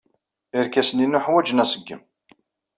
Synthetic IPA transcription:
iɾkæsəninːʊħwæd͡ʒənæsəɡːə̰m

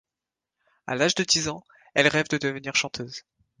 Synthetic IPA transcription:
a̰laʒd̪əd̪izɑ̃ | ɛlʁɛvd̪əd̪əvəniʁʃɑ̃t̪ʰøːz

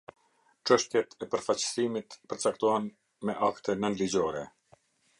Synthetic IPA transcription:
ʈ͡ʂəʃt̪jɛt̪ɛpəɾfat͡ɕsimit̪pəɾt͡sak̚t̪ɔɦɛn | mɛʔakt̪ɛnənlid͡ʑɔɾɛ

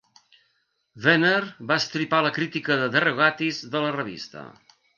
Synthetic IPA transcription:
veneɾβaəst̪ɾipaləkɾit̪ikəðəðəreɣat̪izðələrəβ̞ḭst̪ə̰

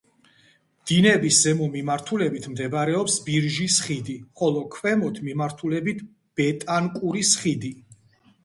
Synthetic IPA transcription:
d̪̥inɛbiszɛmɔmimaɾt̪ʰulɛbit̪ʰmd̪ɛbɾɛɔpsbiɾʒisχid̪iχɔlˠɔkʰwɛmɔt̪ʰmimaɾt̪ʰulɛbit̪ʰ | b̥ɛt̪ʼankʼuɾisχid̪i

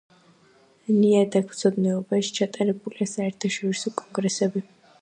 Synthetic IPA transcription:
niad̪akʰt̪sʰɔd̪nɛɔbaʃi̥t͡ʃʰat̪ʼaɾɛbuliasaɛɾt̪ʰaʃɔɾisɔkʼɔŋɡɾɛsɛbi

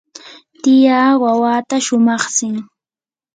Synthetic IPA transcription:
t̪ɪjaːwawaːt̪aʃʊmɑχsɪŋ

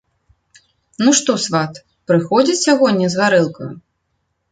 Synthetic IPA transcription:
nuʂt̪ɔsvat̪ | pɾɨxɔd͡zʲit͡sʲjʲaɣɔnʲnʲɛzvaɾɛlˠkɐ̰jṵ

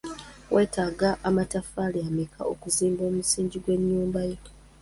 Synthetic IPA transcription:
wʔe̞ːtaːɡaʔːmatafaliamikʰa̰o̰kuziːmbo̞ːmusiːɲɟiɡwe̞ɲːuːmbajo

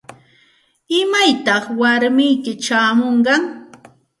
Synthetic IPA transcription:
ɪmajt̪ɑχwaɾmɪjkɪt͡ʃaːmoɴɢɑŋ

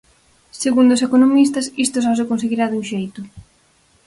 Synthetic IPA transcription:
seɣund̪osekonomis̬t̪ɐsist̪os̬ɔsekons̬eɣiɾaðuŋʃejt̪ʊ

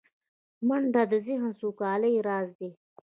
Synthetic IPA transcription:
mɐɳɖad̪əziɦãsukɑːləjɾaːzd̪e

